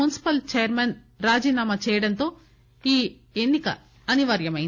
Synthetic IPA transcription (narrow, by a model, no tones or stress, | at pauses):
unsi̥pɐlt͡ʃɛjɐɾmen | ɾaːd͡ʒiːnaːmat͡ʃɛːjɐɽɐnt̪o̞ː | iː | enːikɐ̰ | ɐniʋɐɾjɐmɐjin